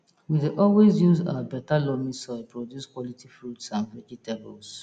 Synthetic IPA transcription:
wideʔɔlwezjuza̰wabɛtalɔmisɔɪpɹodjuskwɔlitʰifɾutsãnvɛkitebəls

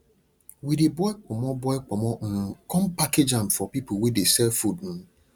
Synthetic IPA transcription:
widibɔɛk͡pʰɔmɔ̃bɔɛk͡pɔmɔ̃n̩kʰɔ̃mpakʰed͡ʒãmfɔpipʰowidesɛfudñ̩

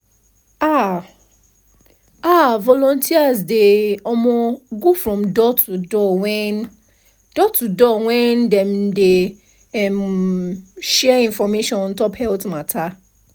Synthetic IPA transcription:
a | avɔlɔ̃ntʰiazdeɔ̃mɔ̃ɡofɹɔ̃mdɔtudɔwɛ̃n | d̥ɔtudɔwɛ̃ndɛ̃mde | ɛm | ʃɛĩnfɔmeʃɔ̃nn̩tɔphɛltmãtʰa

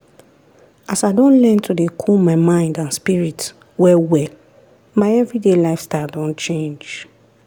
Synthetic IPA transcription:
ʔasaɪdɔ̃nlɛ̃ntʰudekʰumaɪmãɪ̃ndãnspiɹit | wɛwɛl | maɪɛvɹidelaɪfstadɔ̃nt͡ʃẽnd͡ʒ

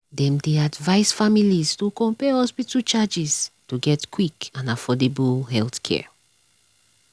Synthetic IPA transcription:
dɛ̃mdeadvaɪsfamilistokɔ̃mpɛhɔspitut͡ʃad͡ʒiztuɡɛtkwikãnafɔdebulɦɛlθkʰɛ̰

